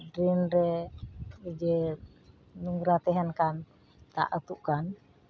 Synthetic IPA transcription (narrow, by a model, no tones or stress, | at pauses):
dɾinɾɛ | id͡ʒe | nuŋɡuɾat̪ɛɦɛnkan | t̪a̰ʔət̪uʔkan